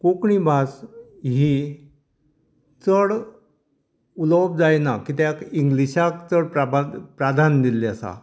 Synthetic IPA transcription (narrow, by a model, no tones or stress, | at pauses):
kokɳibʱas | ɦi | t͡səɽ | ulɔb̚d͡zajnakit̪jakiŋɡliɕakt͡səɽpɾabpɾad̪ʱand̪ilːiasa̰